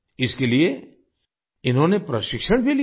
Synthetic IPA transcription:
ɪskelie | ɪnɦõːnepɾɐʃɪkʃəɽ̃bʱili

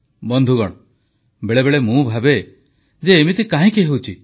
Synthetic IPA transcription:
bɔnd̪ʱuɡɔɽ̃ɔ | beɭebeɭemũbʱabe | d͡ʒeːmit̪ikaɦĩkeɦewt͡ʃʰi

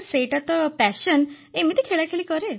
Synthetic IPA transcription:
ɾseʈat̪ɔpɛʃən | emit̪ʰikʰeɭakʰelikəɾe

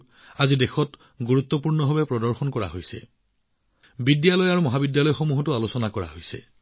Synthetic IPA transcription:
azidexɔt | ɡuɹut̪ːɔpuɹnɔɦɔbɛpɹɔdɔɹxɔnkɔɹa̰ɦojsɛ̰ | bidjalɔjaɹumɔɦabidjalɔjxomuɦɔtʊalosɔnakɔɹa̰ɦojsɛ̰

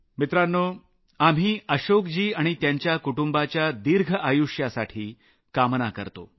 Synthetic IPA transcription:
mit̪ɾanːo | am̤ɦiːəɕokd͡ʑiːaɽ̃it̪jaɲt͡ɕjakuʈumbat͡ɕjad̪iɾɡʱəʔajuʂjasaʈʰiː | kamnakə̰ɾt̪o̰

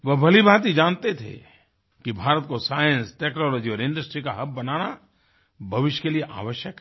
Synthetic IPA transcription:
ʋɐɦbʱɐlibʱaːt̪id͡ʒãːnt̪et̪ʰḛ | kibʱaːɾət̪̚kosaːjə̃nsʈɛːknɔːlɔːd͡ʒiɔːɾɪ̃ɳɖəsʈɾikaɦɐbːɐnaːna | bʱɐʋɪʃjkelieʔa̰ːʋəʃjəkɦ

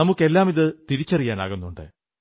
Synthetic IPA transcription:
ɐmukːe̞lːaːmiðɨt̪iɾit͡ɕːɐrijaːna̰ːɣunːuɳɖɨ̰

